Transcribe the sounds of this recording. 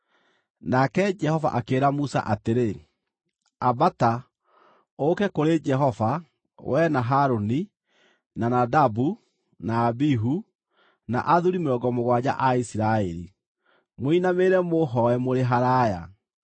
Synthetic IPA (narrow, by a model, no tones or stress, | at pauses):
nakɛd͡ʒɛhɔva̰ʔakeːɾamusa̰ʔateɾe | abata | okɛkoɾed͡ʒɛɦɔva | wʔɛnaɦaɾoni | nanadabu | naːbiɦu | na̰ʔaðuɾimeɾɔɡɔmoɣwad͡ʑa̰ʔaisiɾaɛɾḭ | moinameɾɛmoɦɔɛmoɾeɦaɾaja̰